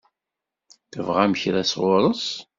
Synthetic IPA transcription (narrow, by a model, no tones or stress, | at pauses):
θəvʁæməçɾæsʁʊɾˤəs